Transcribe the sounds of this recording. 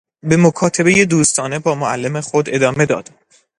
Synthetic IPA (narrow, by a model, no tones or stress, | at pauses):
bemokʰɒːt̪ʰebejed̪uːst̪ʰɒːne̞bɒːmoælːe̞mexod̪e̞d̪ɒːme̞d̪ɒ̰ːd̪̥